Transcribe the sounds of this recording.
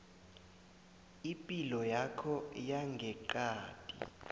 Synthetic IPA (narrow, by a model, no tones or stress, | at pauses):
ipʼilɔjakʰɔjaŋɡʱɛǃaːd̥ʼḭ